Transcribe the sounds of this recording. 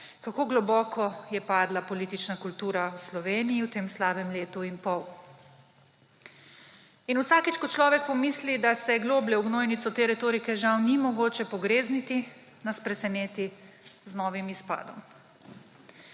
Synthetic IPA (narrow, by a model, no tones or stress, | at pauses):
kakoːɡlɔbɔːkʰɔjɛpaːd̪lapɔliːt̪it͡ʃnakult̪uːɾawslɔʋeːnijiwt̪eːmslaːbɛmleːt̪uinpɔw | inuwsaːkit͡ʃkɔt͡ʃlɔːʋɛk̚pɔmislid̪asɛɡloːblɛwɡnoːjnit̪sɔt̪eːɾɛt̪oːɾikɛʒawnimɔɡoːt͡ʃɛpɔɡɾeːznit̪i | naspɾɛsɛneːt̪i | znɔːʋimispa̰ːd̪ɔm